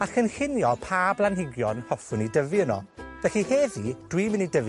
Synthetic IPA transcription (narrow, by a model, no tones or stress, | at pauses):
axənxɪnjɔpʰaːblˠanhɪɡjɔnhɔfʊnidəviənɔ̰vɛɬiheːðid̥wimənidəv